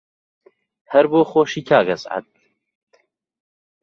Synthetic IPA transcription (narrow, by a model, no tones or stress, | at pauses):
hɛɾboːxoʃikʰaːɡɐsʕa̰t̪̚